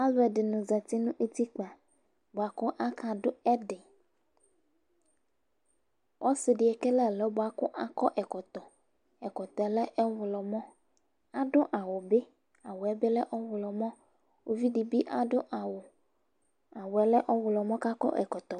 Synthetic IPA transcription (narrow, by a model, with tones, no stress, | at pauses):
a˦lo˨ɛ˨ɖe˨nũ˨za˨t̪i˦nũ˦ʔe˦t̪i˦k͡pa˨ | bo˨a˨kɔ˦ʔa˦kʰã˨ɖo˦ɛ˦ɖɪ˨ | wʔɔ˦se˨ɖi˨ɛ˨ke˦lɛ˦˨lɛ˨˦bo˨a˨kɔ˦ʔa˦kɔ˦ʔɛ˨kɔ˨t̪ɔ˨ | ɛ˨kɔ˨t̪ɔ˨˦lɛ˦ʔɛ˦wʊ˨lɔ˨mɔ̃˦ | a˦ɖo˦ʔa˨wo˨be˦ | a˨wo˨ɛ˦be˦lɛ˦ʔɔ˦wʊ˨lɔ˨mɔ̃˦ | wo˦vi˦ɖi˨bi˦ʔa˨ɖo˦ʔa˨wo˨ | a˨wo˨ɛ˦lɛ˦ʔɔ˦wʊ˨lɔ˨mɔ̃˦ka˦kɔ̰˦ʔɛ̰˨kɔ˨t̪ɔ˨